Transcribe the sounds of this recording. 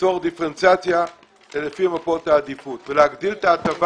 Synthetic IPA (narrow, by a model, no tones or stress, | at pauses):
toʁd̪ifʁent͡sat͡sja | lelefiamapo̞t̪aːd̪ifut̪veleaɡd̪ilt̪aːt̪av